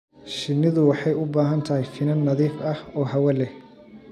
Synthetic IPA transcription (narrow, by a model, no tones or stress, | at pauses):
ʃɪnːɪðʊwɑħɑjʊbaːɦɐnt̪ʰɐhɛjfɪnɐnːɐðiːfɐhɔːɦɐwɐlɛ